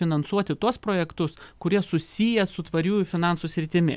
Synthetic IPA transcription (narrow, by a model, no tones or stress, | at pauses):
ɪnɐnsuɔt̪ʲɪt̪uɔspɾoːjɛkt̪ʊskʊɾʲiɛsʊsʲijɛsʊt̪ʋɐɾʲuːjʊfʲɪnɑnsuːsʲɾʲɪt̪ʲɪmʲɪ̰